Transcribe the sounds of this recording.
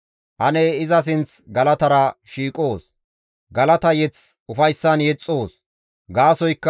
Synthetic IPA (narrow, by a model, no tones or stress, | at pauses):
hɐnɛɪzɐs̬ɪnt͡sɡɐlɐt̪ɐɾɐʃiːkʼo̞ːs | ɡɐlɐt̪ɐjɛt͡s | ʊfɐjsːɐnjɛt͡sʼːoːs | ɡaːsɔjkːɐ